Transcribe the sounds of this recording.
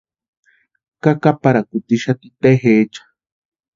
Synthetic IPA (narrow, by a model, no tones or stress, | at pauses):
kakapaɾakut̪iʃat̪it̪eɦet͡ʃḁ